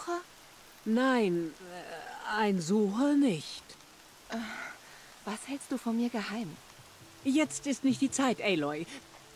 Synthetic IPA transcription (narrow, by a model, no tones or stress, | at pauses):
ə | naɪn | aɪnzuːxənɪçt | ʔa | v̥ashɛlst̚d̥uːfɔnmiːɐɡəhaɪm | jɛt͡stɪstnɪçt̚d̥iːt͡saɪtʔɛlɔʏ